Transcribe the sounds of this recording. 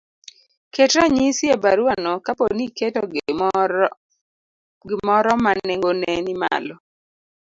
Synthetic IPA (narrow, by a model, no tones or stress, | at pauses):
ketɾaɲisjebaɾuanɔkaponiketɔ | ɡɪmɔɾɔmaneŋɡonɛnima̰lɔ